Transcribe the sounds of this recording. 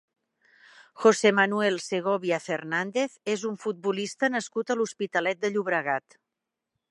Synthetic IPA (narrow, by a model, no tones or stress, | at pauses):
xosemənuɛlˠseɣɔβiəfernand̪eθezuɱfut̪̚bulist̪ənəskut̪əluspit̪əlɛt̪̚d̪əʎuβɾəɣ̞at̪